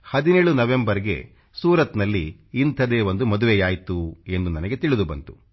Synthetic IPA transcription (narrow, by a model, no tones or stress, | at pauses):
hɐd̪ineːɭunɐʋe̞mbɐɾiɡe̞̰ | suːɾɐt̪nɐlːiːnt̪ʰɐd̪eːʋond̪umɐd̪uʋejaːjt̪ue̞nd̪unɐnɐɡe̞t̪iɭid̪ubɐ̰nt̪u̥